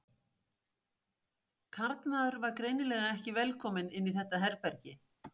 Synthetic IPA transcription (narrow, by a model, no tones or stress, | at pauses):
kʰaɾt̪maːðʏɾvaɾkɾeːjnɪlɛːɣaɛhcɪvɛlkʰɔːmɪnɪnːiθɛht̪ːaɦɛɾpɛɾcɪ